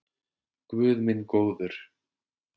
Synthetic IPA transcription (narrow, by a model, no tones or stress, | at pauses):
kvʏːðmɪnkoːwðʏɾ̥